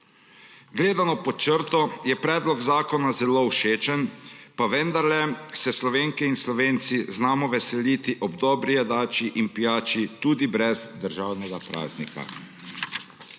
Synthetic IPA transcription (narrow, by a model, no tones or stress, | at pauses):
ɡleːd̪anɔpɔt͡ʃəɾt̪ɔjɛpɾɛːd̪lɔɡzaːkɔnazɛlowʃeːt͡ʃənpaʋɛnd̪aɾlɛsɛslɔʋeːŋkɛinslɔʋeːnt̪siznaːmɔʋɛsɛlit̪iʔɔbd̪ɔːbɾijɛd̪aːt͡ʃiʔinpijaːt͡ʃit̪uːd̪ibɾɛzd̪əɾʒaːwnɛɡapɾa̰ːznika̰